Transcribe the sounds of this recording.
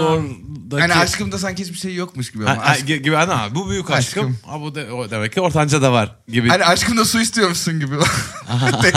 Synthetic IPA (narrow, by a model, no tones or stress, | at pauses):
oɾd̪aaniaʃkɯmd̪asæncɛt͡ʃbiʃejːokmuʃɟibihaaɟiɟibianabubyjycaʃkʰɯma̰bud̪eod̪emɛcʰːio̞ɾt̪ʰand͡ʒad̪avaɾ | ɟibihaniaʃkɯmd̪asuist̪ʰijo̞ɾmusunɟibia | ɛ